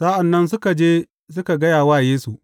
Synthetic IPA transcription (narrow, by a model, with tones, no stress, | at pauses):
sa˦ʔa˨nːɐ˦ns̬ʊ˦ka˨d͡ʒeː˦ | sʊ˦ka˨ɡɐ˦jaː˨waː˦˨jeː˦su˨ʔ